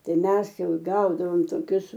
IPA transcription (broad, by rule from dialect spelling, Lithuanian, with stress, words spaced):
ˈtɐɪ ˈmʲɛs ˈjɛʊ ˈɡɐʊdɐʋoːm toːˈkʲʊs